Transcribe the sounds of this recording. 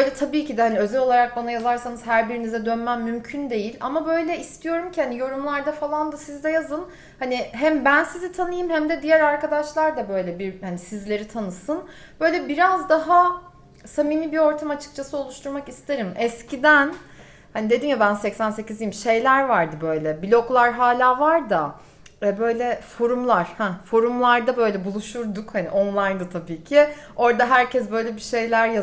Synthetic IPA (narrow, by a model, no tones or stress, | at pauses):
bøjlʲɛt̪ʰabiːcid̪ɛhaniø̞zɛlʲo̞lˠaɾak̚banajazaɾsanɯzɦæɾbiɾinizɛd̪ø̞nmæmːymcʰynd̪e̞jilʲa̰mabø̞jlʲɛist̪ʰijo̞ɾumcʰihanijo̞ɾumlˠaɾd̪afalˠand̪asizd̪ɛjazɯn | haniɦæmbænsizit̪ʰanɯjɯmhæmd̪ɛd̪ijæɾaɾkad̪aʃlˠaɾd̪abø̞jlʲɛbiɾhanisizlʲe̞ɾit̪ʰanɯsɯn | b̥ø̞jlʲɛbiɾazd̪aɦa | saminʲibio̞ɾt̪ʰamat͡ʃʰɯ̥k̚t͡ʃʰasɯo̞lˠuʃt̪ʰuɾmakist̪ʰeɾimɛscʰid̪æn | hanid̪e̞d̪injabænsɛcsænse̞cizijimʃe̞jlʲæɾvaɾd̪ɯbø̞jlʲɛbilʲo̞klˠaɾɦaːlʲaːvaɾd̪a | ɛbø̞jlʲɛfo̞ɾumlˠaɾ̥hɛfo̞ɾumlˠaɾd̪abø̞jlʲɛbulˠuʃuɾd̪ukhanḭʔo̞nlˠajnd̪ɯat̪ʰabiːcʰio̞ɾd̪aɦæɾcʰɛsbø̞jlʲɛbiʃe̞jlʲæɾja